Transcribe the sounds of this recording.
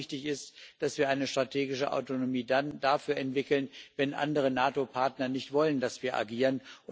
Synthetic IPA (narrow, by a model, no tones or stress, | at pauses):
çtɪçɪstd̥asv̥iːɐʔaɪnəʃtʁ̥atʰeːɡɪʃəʔa̰ʊtonomiːdandafyːɐɛntv̥ɪkl̩nvɛnʔa̰ndəʁ̞ənaːtopʰaɐtnɐnɪçtv̥ɔləndasv̥iːɐʔa̰ɡiːʁənʔʊ